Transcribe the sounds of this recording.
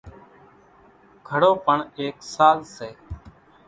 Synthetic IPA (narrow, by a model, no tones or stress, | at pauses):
ɡʰʱəɽoːpəɳeːksaːlseː